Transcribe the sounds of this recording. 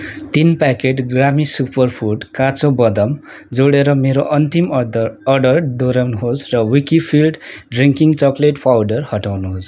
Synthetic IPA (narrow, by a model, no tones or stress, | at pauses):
t̪inpakeʈɡramisupʌrpʰuʈkat͡sobʌd̪ʌm | d͡zoɽeɾʌmeɾoʔʌnt̪imʌɖʌrd̪oɾawnuɦosrʌwikipʰilɖɖriŋkiŋt͡sʌkleʈpʰawɖʌrhʌʈawnuɦos